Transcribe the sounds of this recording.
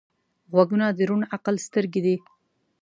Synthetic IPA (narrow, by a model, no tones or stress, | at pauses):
ɣwaɡunad̪əɾunaqalst̪əɾɡed̪i